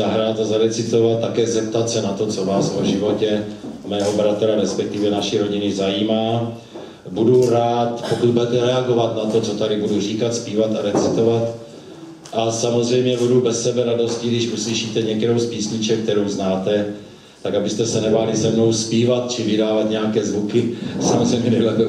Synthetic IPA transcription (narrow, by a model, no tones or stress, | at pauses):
zaɦɾat̪azaɾɛt͡sɪt̪o̞vat̪tːakɛːzɛp̚t̪at̪sɛnat̪o̞t͡so̞vaːsoʒɪvo̞cɛmɛːɦo̞bɾat̪ɾaɾɛspɛk̚t̪ɪvjɛnaʃiɾo̞ɟɪnɪzajiːmaː | buduɾaːt̪po̞kut̪̚budɛt̪ɛɾɛaɡo̞vat̪nat̪o̞t͡so̞t̪aɾɪbudur̝iːkat̪spiːvat̪aɾɛt͡sɪt̪o̞vat̪ | ʔasamozrɛjmɲɛbudubɛsːɛbɛɾado̞scɪɡdɪʃʔusliʃiːt̪ɛɲɛktɛɾowspiːsɲɪt͡ʃɛk̚t̪ɛɾowznaːt̪ɛ | t̪akabɪst̪ɛsɛnɛbalɪsɛmno̞wspiːvat̪̚t͡ʃɪvɪdaːvat̪ɲɛakɛːzvukɪsamozrɛjmɲɛbbɪlɛ